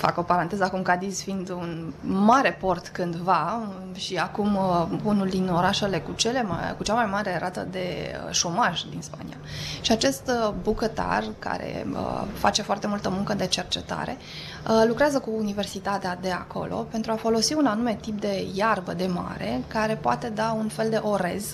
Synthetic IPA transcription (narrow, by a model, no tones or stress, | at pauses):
fa̰ko̞paɾant̪e̞zəakumkad̪izfind̪unmaɾe̞po̞rt̪kɨnd̪va | ʃiakumunuld̪ino̞ɾaʃe̞le̞kut͡ʃe̞le̞ma̰kut͡ʃamajmaɾe̞ɾʔat̪ə̰d̪e̞ə̰ʃo̞maʒd̪inspa̰nḭa̰ʃiat͡ʃe̞st̪bukət̪a̰rka̰ɾḛə̰fa̰t͡ʃe̞foart̪e̞mult̪əmuŋkəd̪e̞t͡ʃe̞rt͡ʃe̞t̪a̰ɾe̞̰ | əlukɾeazəkuːnive̞rsit̪at̪ead̪e̞a̰ko̞̰lʔo̞̰pe̞nt̪ɾuafo̞lo̞siunanume̞t̪ip̚d̪e̞jarbəd̪e̞ma̰ɾe̞kaɾe̞poat̪e̞d̪aunfe̞ld̪e̞ʔo̞ɾe̞̰z